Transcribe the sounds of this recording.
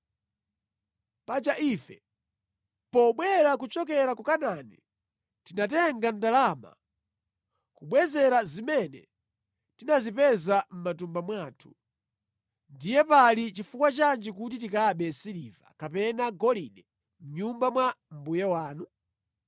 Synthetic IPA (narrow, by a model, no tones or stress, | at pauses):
pat͡ʃaʔifɛ̰ | pɔɓwɛɾak̬ut͡ʃɔk̬ɛɾakukananḭ | tinatɛŋɡandalama̰ | kuɓwɛzɛɾazimɛnɛ̰ | tinazipɛzam̩matumbamwaːtʰu̥ | ndijɛpalit͡ʃifukwat͡ʃand͡ʒɛk̬ut̬itikaɓɛsiɾiːva̰kapɛnaɡɔliɗɛ | m̩ɲumbamwam̩bujawaːnu